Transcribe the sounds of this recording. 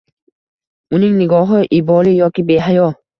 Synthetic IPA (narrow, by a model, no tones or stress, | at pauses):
uɲiŋniɡɔɦɯʔibɔɾijʌk͈ibeɦajo